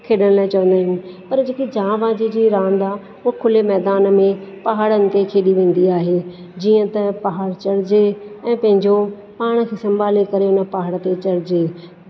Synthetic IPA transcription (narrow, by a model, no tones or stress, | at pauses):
kʰeːɗəɽ̃laːɪt͡ɕɐʋə̃nd̪aːɦɪnɪ̆pɐɾd͡ʑeːked͡ʑãːʋãːd͡ʑid͡ʑiːɾãːnd̪aː | ʊakʰʊlemɛːd̪aːnmẽpɐɦaːɽənɪ̆t̪ʰekʰeːɗiʋẽːn̆d̪iaːɦe | d͡ʑiːə̃t̪ɐpɐɦaːɽt͡ɕɐɽɪd͡ʑeɛ̃ːpɐ̃ɦɪ̃ɲd͡ʑo | paːɽ̃ə̆kʰeːsɐ̃mbʱaːlekɐɾeʊnə̆paɦaɽt̪et͡ɕɐɽɪd͡ʑeː